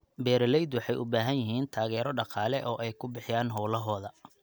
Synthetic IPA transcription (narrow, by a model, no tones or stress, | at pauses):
bɛːɾɐlɛjd̪wɑħɑjʔʊbaːɦɐnjɪɦiːnt̪ʰaːɣɛːɾɔɖɑqɑːlɛʔɔːʔɛjkʰʊbɪħɪjaːnɦɔwlɐɦɔːðɐ